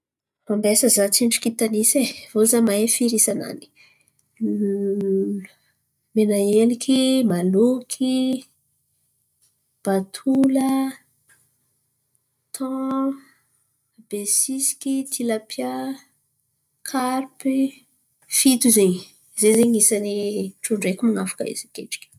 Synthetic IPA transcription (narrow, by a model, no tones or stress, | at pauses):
mambesəzat͡siɳʈ͡ʂu̥kit̪anisevozamaefiɾisana̰ni̥ | menaelikʲʰimalukʰi | b̥at̪ʰulə | t̪ʰɔ̃ | b̥esisi̥kʲit̪ʰilapʰja | kʰarpi | fit̪uzeɲ | zezeɲisaniʈ͡ʂuɳɖ͡ʐekʲimaŋafḁka̰ḭzikḛʈ͡ʂi̥kʲi̥